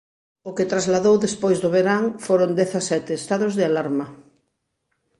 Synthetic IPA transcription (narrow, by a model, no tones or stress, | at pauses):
ʊket̪ɾazlaðowðespojzðʊβeɾaŋfoɾond̪ɛθasɛt̪ɪːst̪aðʊzðealaɾmɐ